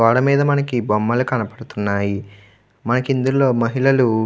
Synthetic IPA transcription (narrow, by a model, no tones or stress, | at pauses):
ʋaːɽɐmiːd̪ɐmɐnɐkibɐmːɐlukɐnɐpɐɽut̪unːaːji | mɐnɐkind̪ulo̞ːmɐɦiɭɐlu